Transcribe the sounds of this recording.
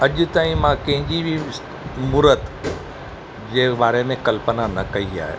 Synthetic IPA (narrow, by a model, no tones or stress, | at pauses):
ɐʄʊt̪aːĩmãkɐ̃ɦɪ̃ɲd͡ʑibʱi | mʊɾət̪ | d͡ʑeːɓaːɾemẽkɐlpənanɐkɐia̰ːɦḛː